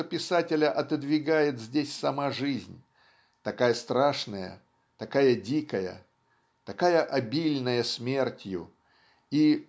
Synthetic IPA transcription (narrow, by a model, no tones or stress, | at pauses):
opʲɪsatʲɪlʲəʔɐt̪ɨd̪vʲɪɡajɪt̪zʲdʲesʲsɐmaʐɨzʲnʲ | t̪ɐkajəst̪ɾaʂnəjə̰ | t̪ɐkajədʲikəjə̰ | t̪ɐkajəʔɐbʲilʲnəjəsmʲe̞rtʲjʊ̰ | i